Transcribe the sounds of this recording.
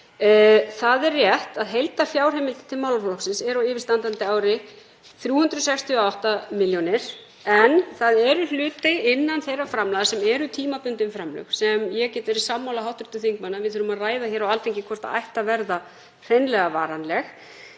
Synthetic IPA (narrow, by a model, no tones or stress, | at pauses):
θaðɛrrːjɛht̪aðɦejlt̪afjaːwr̥ejmɪlt̪t̪ʰɪlmawlafɔlɔksɪnsɛɾawɪːvɪst̪ant̪ant̪ɪaːwɾɪ | θɾjuːhʏnt̪ɾʏsɛkst̪ʰiɔawht̪amɪljɔnɪɾ̥ | ɛnθaðɛɾʏl̥ʏːt̪ɪɪnːanθejrafɾamlajðasɛmɛɾʏt̪ʰiːmapʏnt̪ɪnfɾamlœ̰xsɛmjɛɣcɛːt̪ɛɾɪsamːawlaɦawht̪ɾʏ̥t̪ʏθiŋk̚manavɪðθʏɾʏmaðraːjðaçɛːɾawalt̪eŋcɪkʰɔr̥t̪a̰a̰jht̪avɛɾða | r̥ejnlɛɣavaːɾanlɛx